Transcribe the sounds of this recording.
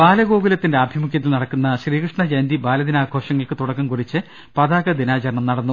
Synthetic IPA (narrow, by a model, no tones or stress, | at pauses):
b̥aːlɐɡo̞ːɡulɐt̪ːinde̞ɐbʱimukʰːjɐt̪̬ːilnɐɽɐkːunːɐɕriːkrɨʂɳɐd͡ʑɐnd̪ibaːlɐd̪inaːkʰoːʂɐŋːɐɭkɨt̪uɽɐkːɐmkurit͡ɕːɨ | pɐðaːɡɐd̪inaːt͡ɕɐrɐɳɐmnɐɽɐnːu